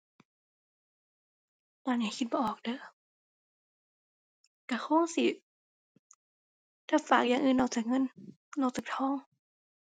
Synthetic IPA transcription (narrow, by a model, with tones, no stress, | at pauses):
laː˧˩nɲaː˧˩˦kʰi˧t̪̚bɔː˧˨ʔɔː˨˩k̚dɤː˧˦ | ka˧˩xʰoː˧˥˨ŋsi˧˦ | t̪ʰaː˧˩faː˨˩k̚jaː˨˩ŋʔɯː˨˩nʔɔː˧˩wt͡ɕaː˨˩k̚ŋɤ˧˥˨n | lɔ˧˩wt͡ɕaː˨˩k̚t̪ʰɔː˧˥˨ŋ